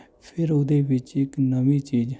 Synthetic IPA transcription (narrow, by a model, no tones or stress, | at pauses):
pʰɪɾʊd̪eːbɪt͡ʃɪknəmiːt͡ʃiːd͡ʒ